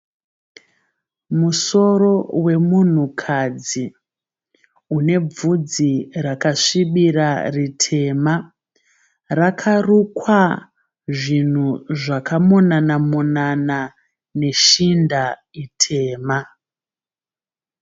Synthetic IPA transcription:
muso̞ro̞we̞mun̤ukʰad͡zi | une̞b͡vud͡zirakaʂiɓiɾaritʰe̞ma | rakʰarukwa | ʐin̤uʐakamonanamunana | ne̞ʃinda | itʰe̞ːma

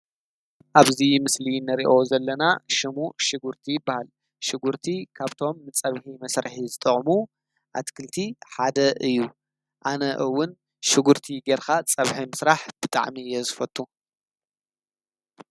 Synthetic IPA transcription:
ʔaβzimɨslinɐɾiʔo̞zɐlːɐnaʃɨmuʃɪɡuɾt̪ʰijɪbːahal | ʃɪɡuɾt̪ʰikʰaβt̪ʰo̞mːɨt͡sʼɐβħimɐsɾħizɨt̪ʼɨχʼmu | ʔa̰t̪kʰɨlt̪ʰiħad̪ɐʔɨjːu | ʔanɐʔɨwːʊn | ʃɪɡuɾt̪ʰiɡeɾkat͡sʼɐβħimɨsɾaħb̥ɨt̪ʼa̰ʕmijɛzɨfɐt̪ʼːu

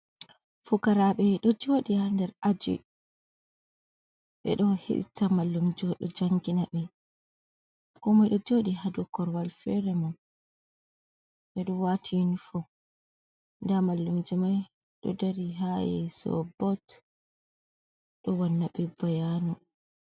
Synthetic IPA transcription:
fukaɾaɓɛɗɔd͡ʒoɗihandɛɾad͡ʒɔ̰j | ɓɛ̰ɗɔhḭɗ̰tːamalːumd͡ʒɔɗɔ̰d͡ʒaŋɡinaɓɛ | kɔmajɗɔd͡ʒoːɗihadukɔɾwalfɛɾɛman | ɓɛɗɔwatʰinifɔ | ndamalːumd͡ʒumaj | ɗɔ̰daɾiɦajɛ̰sɔ̰bɔt | ɗɔwanːaɓɛbajanɔ

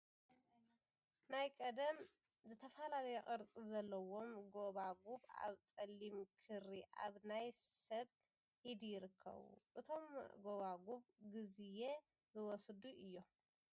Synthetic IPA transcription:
najkʼɐd̪ɐm | zɨt̪ʰɐfalalɐjɛχʼɨɾt͡sʼizɐlːɐwo̞mɡo̞βaɡuβa̰βt͡sʼɐlːimkʰɨɾiʔa̰βnajsɐβ | hid̪ijɪɾɨkʰːɐ̰βṵʔɨt̪ʰo̞mɡo̞βaɡuβɡɨzije | bɨwɔsd̪uʔɨjːo

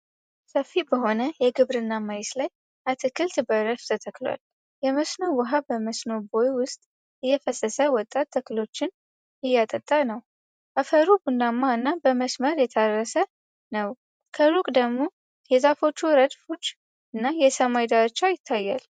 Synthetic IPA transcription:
səfːibəɦo̞nəjɛɡɨβɾɨnːamajɛslaj | ʔat̪ʰɨkʰɨlt̪ʰɨbəɾəft̪ʰət̪ʰəkːlwa̰l | jɛməsnowəɦabəməsnobojwʊst̪ʼ | ɨjːɛfəsəsəwɔt̪ʼːat̪ʰːəkɨlo̞t͡ʃːɪn | ɨjːat̪ʼət̪ʼːanəw | ʔafəɾubundamːaɨnːabəməsməɾjɛt̪ʰarːəsə | nəw | kʰəlukʼd̪əɡmo̞ | jɛzafo̞t͡ʃːuɾəd̪fo̞t͡ʃː | ɨnːajɛsəmajd̪aɾt͡ʃːajɪt̪ʰːajːal

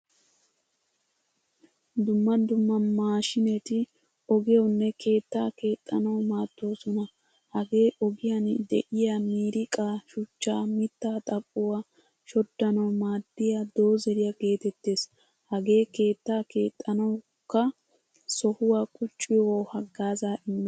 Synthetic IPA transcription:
d̪ʊmːɐd̪ʊmːɐmaːʃɪnɛt̪ɪ | ɔɡɪjɔwnːɛkʰe̞ːt̪ːaːke̞ːt̪ʼːɐnɐwmaːt̪ːoːsɔnɐ | hɐɡe̞ːʔɔɡɪjɐnd̪ɛ̰ʔɪjamiːɾɪkʼaːʃʊt͡ʃːaːmɪt̪ːaːt̪ʼɐkʼːʊwa | ʃɔd̪ːɐnɐwmaːd̪̥ːɪjad̪o̞ːzɛɾɪjaɡe̞ːt̪ɛt̪ːe̞ːs | hɐɡe̞ːke̞ːt̪ːaːke̞ːt̪ʼːɐnɐwʊ | kːɐ | sɔhʊwaːkʼʊt͡ʃʼːɪjoːhɐɡːaːzaːʔɪmːɛ

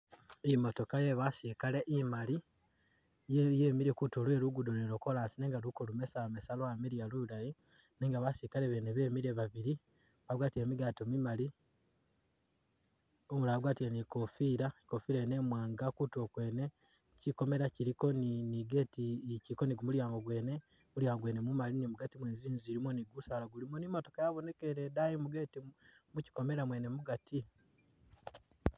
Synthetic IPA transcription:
imo̞to̞kajeβasikale̞ʔimali | jjeːmiɾe̞kutolwe̞ːɾuɡudoleɾoko̞lasineːŋɡalukolume̞samesaloameɾialuulaji | neːŋɡaβasikaleβeneβe̞miɾeβaβiɾi | βaɡwaːtiemiɡatomimali | omulaɡwaːtienikofiːɾaekofiɾene̞ːmwaːŋɡakuto̞kwe̞ːne̞ | ciko̞me̞ɾaciɾiko̞niniɡe̞ːticiɾiko̞niɡumuljaːŋɡo̞ɡwe̞ːne̞ | muljaːŋɡoɡwe̞ːnemumalinimuɡatimweːnziːnziːɾimoniɡusaːlaɡulimonimo̞to̞kajaβo̞ne̞ke̞ɾedajimuɡeːtimuci̥ko̞me̞ɾamwene̞muɡatʰi

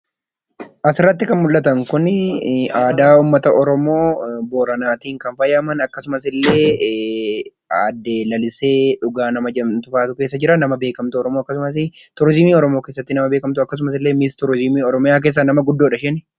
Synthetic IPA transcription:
ʔɐsɪrːɐt̪ːɪkɐnmʊlːɐt̪̬ɐŋkʊn | aːd̪aːuːmːɐt̪ɐʔɔɾɔmo̞ːbo̞ːɾɐnaːt̪iːŋkɐnfɐjɐːmɐnɐkːɐsʊmɐsɪlːe̞ː | ɐd̪ːe̞ːlɐlɪse̞ːᶑʊɡaːnɐmɐd͡ʒɐmt̪ʊfaːt̪ʊke̞ːs̬ːɐd͡ʒɪɾɐnːɐmɐbe̞ːkɐmt̪ʊɔɾɔmo̞ːɐkːɐsʊmɐs̬ɪt̪ʊɾzɪmiːɔɾɔmo̞ːke̞ːsːɐt̪ːɪnɐmɐbe̞ːkɐmt̪ʊɐkːɐs̬ʊmɐsɪlːeːmɪst̪ɔɾzɪmiːɔɾɔmɪjaːk̬eːs̬ːɐnɐmɐɡʊd̪ːoːᶑɐʃɛnɪ

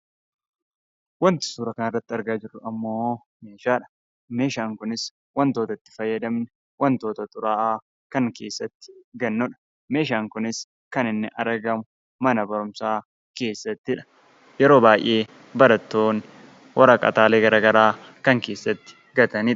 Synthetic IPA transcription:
wɐnt̪ɪ̥suːɾɐkɐnɐrːɐt̪ːɪɐɾɡaːd͡ʒɪrːʊɐmːo̞ː | me̞ːʃaːᶑɐ̥ | me̞ːʃaːŋkʊnɪs | wɐnt̪o̞ːt̪ɐt̪ːɪ̥fɐjːɐd̪ɐmnɛ | wɐnt̪o̞ːt̪ɐt̪ʼʊɾaːʔaː | kɐŋke̞ːsːɐt̪ːɪ̥ɡɐnːɔᶑɐ̥ | me̞ːʃaːŋkʊnɪs | kɐnɪnːɪʔɐɾɡɐmʊ | mɐnɐbɐɾʊmsaː | ke̞ːsːɐt̪ːɪᶑɐ̥ | jɛɾo̞ːbaːjʔeː | bɐɾɐt̪ːo̞ːn | wɐɾɐkʼɐ̰t̪aːle̞ːɡɐɾɐːɡɐɾaː | kɐŋke̞ːsːɐt̪ːɪ̥ | ɡɐt̪ɐniː

